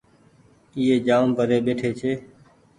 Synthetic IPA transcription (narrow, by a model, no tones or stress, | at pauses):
iːeːd͡ʒaːmpəɾeːɓeːʈʰeːt͡ʃʰeː